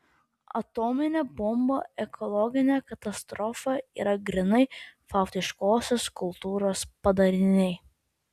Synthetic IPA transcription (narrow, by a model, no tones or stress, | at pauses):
ɐ̰t̪oːmʲɪnʲeːbɔmbo̰ːɛkʰɔlˠɔɡʲɪnʲekɐt̪ɐst̪ɾɔfɐḭːɾɐɡɾʲɪnɐɪfɐˑʊt̪ʲɪʃkoːsʲoskʊlˠt̪uːɾoːspɐd̪ɐɾʲɪnʲɛɪ